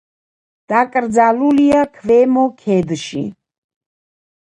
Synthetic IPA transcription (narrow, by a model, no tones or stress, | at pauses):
d̪̥akʼɾd̪zaluliakʰvɛmɔkʰɛd̪ʃḭ